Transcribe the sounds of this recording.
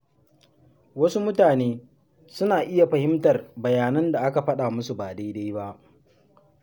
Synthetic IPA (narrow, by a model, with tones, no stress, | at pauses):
wɐ˦su˦mʊ˦taː˨neː˦ | sʊ˦naː˨ʔɪ˦ja˨ɸɐ˨hɪ˦mtɐ˨rbɐ˨jaː˨nɐ˦nda˨ʔa˦ka˨ɸɐ˦ɗa˨mʊ˦su˨baː˨da˦jda˦jba˦ʔ